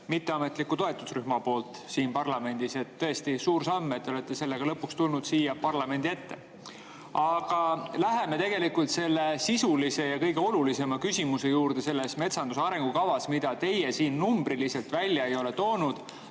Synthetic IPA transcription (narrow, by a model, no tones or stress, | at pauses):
mit̪ːe̞ɑme̞t̪ˑlikːut̪o̞e̞t̪ːˑusryhmɑpo̞ːlt̪ˑsiːnpɑrlɑme̞nd̪̥ise̞t̪ːɤ̞e̞st̪isuːɾsɑmːt̪ːeolet̪ːe̞se̞lːeɡ̥ɑlɤpːˑukst̪ulnud̪̥siːjɑpɑrlɑme̞nd̪̥ie̞t̪ːe̞̰ | ɑɡ̥ɑlæɦe̞me̞t̪e̞ɡe̞likult̪se̞lːe̞sisulise̞jɑkɤjɡ̥e̞o̞lulise̞mɑkysʲimuse̞juːɾd̪̥e̞se̞lːesme̞t̪sɑnd̪̥usɑɾe̞ŋɡ̥ukɑvɑsmid̪̥ɑt̪e̞jesiːnːumb̥ɾilise̞lt̪vælʲjɑejo̞le̞t̪o̞ːnud̪̥